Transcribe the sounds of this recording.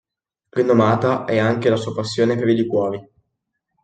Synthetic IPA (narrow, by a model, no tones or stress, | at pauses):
rinːomaːt̪aʔɛaŋk̟elasuːapasːjoːnepeɾilikwɔːɾi